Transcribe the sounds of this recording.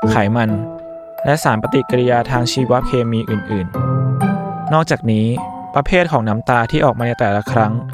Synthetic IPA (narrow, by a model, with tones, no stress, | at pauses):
kʰaː˩˦jma˧n | lɛ˦˥ʔsaː˩˦npa˧t̪i˨˩ka˧ɾi˧jaː˧t̪ʰaː˧ŋt͡ɕʰiː˧wa˦˥kʰeː˧miː˧ʔɯː˨˩nʔɯː˨˩n | nɔː˥˩k̚t͡ɕaː˨˩k̚niː˦˥ | pɾa˧pʰeː˥˩t̪̚kʰɔː˩˦ŋna˦˥mt̪aː˧t̪ʰiː˥˩ʔɔː˨˩k̚mːaː˧na˧jt̪ɛː˨˩la˦˥kʰɾa˦˥ŋ